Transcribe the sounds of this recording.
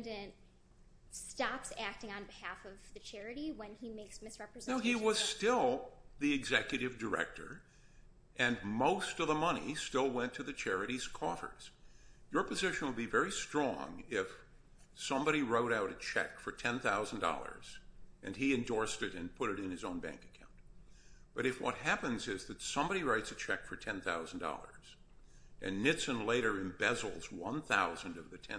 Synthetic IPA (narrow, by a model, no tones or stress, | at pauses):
dɨ̃nt̚ | stɑpsæk̚tɪ̃ŋə̃nbɨhæfʌvðɨt͡ʃʰɛɹɨɾiwɨ̃nimeɪksmɨsɹɛpɹɨzɛnoʊiwʌz̥stɪlˠðiɨɡzɛkjɨɾɨvdə˞ɛ̰k̚tʰə̰˞ | ʔɨ̃nmoʊstʌvðəmʌñḭstɪlˠwɛ̃ntʰɨðɨt͡ʃʰɛɹɨɾiz̥kʰɔfə̰˞z̥jə˞pʰɨzɪʃɨ̃n̩wədbivɛɹistɹ̥ɔ̰̃ŋɪf | sʌ̃mbɑɾiɹoʊɾaʊɾɨt͡ʃʰɛ̰kfə˞tʰɛ̃nθaʊzn̩dɔ̰lˠə̰˞z̥ʔɨ̃niɨ̃ndɔɹstɨɾɨ̃npʰʊɾɨɾɨ̃nɨzõʊ̃nbæ̰̃ŋkɨ̥kʰãʊ̃nt | b̥ʌɾɨfwʌ̰t̚ɦæpɨ̃nzɪzðɨtsʌ̃mbɑɾiɹaɪtsɨt͡ʃʰɛkfə˞tʰɛ̃nθaʊzn̩dɔ̰lˠə̰˞z̥ | ʔɨ̃nːɪtsɨ̃nleɪɾə˞ɨ̃mbɛzl̩ˠzwʌ̰̃nθa̰ʊzɨ̃n̩dʌvðɨtʰɛ̃